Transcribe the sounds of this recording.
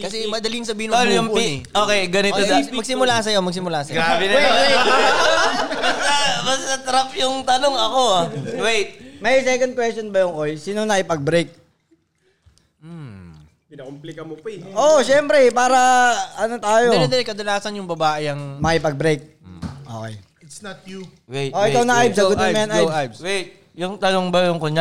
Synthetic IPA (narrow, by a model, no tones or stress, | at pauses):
kɐsɛmɐd̪ɐlɪɪŋsɐbiːhɪnoʊŋpuːnʔoːkeɡɐnɪt̪oɐɡsɪmʊlaːsɐjomɐɡ̚s̬ɪmʊlaːsɐjɡɾabɛnɐwɛjwɛ | bɐsɐbɐst̪ɐt̪ɾɐpjʊŋt̪ɐnoŋɐkowajt̪̚mɐjsɛːkond̪̚kwɛstonbɐjʊŋkojsiːnonɐʔɪpɐɡ̚bɾejk̚ | pɪnɐkomplɪkɐmopɐʔoʃɛmpɾɛpaːɾɐʔɐnot̪aːjoɛd̪ɛlkɐd̪ɐlaːsɐnjʊŋbɐbaːʔɪɐŋmɐʔɪpɐɡ̚bɾejk̚ | ʔo̰kḛj | ɪt̪snt̪̚ju | weoːkejk̪ɐwnɐʔajbsɐot̪ːɐmɐɐnajajbswɛjt̪̚ | jʊŋt̪ɐnoŋbɐjʊŋkoɲa